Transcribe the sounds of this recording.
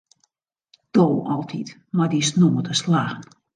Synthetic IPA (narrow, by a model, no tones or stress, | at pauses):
d̥oːɔlˠtʰit | madisnomətəslaːxn